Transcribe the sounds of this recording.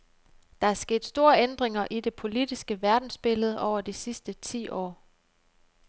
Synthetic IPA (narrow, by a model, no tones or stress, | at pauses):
d̥ɑ̈æɐsɡ̥e̝̰ːd̥sd̥o̝ːɐend̥ʁeŋɐʔid̥e̝pʰo̝lid̥isɡ̥əʋæɐd̥n̩sb̥e̝ləð̞̩ˠɒʊ̰ɐd̥isisd̥ət͡sʰḭːʔɒ̰ː